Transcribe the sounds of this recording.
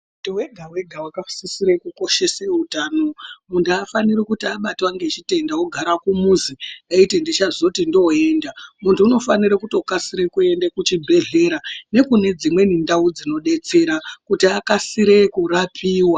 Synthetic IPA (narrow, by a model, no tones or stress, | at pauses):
mutuwe̞ɡʱawe̞ɡʱawakasisiɾekuko̞ʃe̞seutaːno̞muntʰuafaniɾikutiaɓatwaŋɡet͡ʃite̞ndaoɡʱaɾakumuzieitindit͡ʃazotindo̞e̞ːndamuntʰuːno̞faniɾakuto̞kasiɾekue̞ndekut͡ʃibʱe̞ɮe̞ɾane̞kune̞d͡zimwe̞nindaud͡zino̞ɗe̞t͡se̞ɾakutiakasiɾekurapʰiːwa